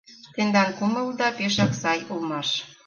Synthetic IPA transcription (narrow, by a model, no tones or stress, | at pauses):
t̪end̪ɑnkumə̆ld̪ɑpeʃɑksɑjulmɑʃ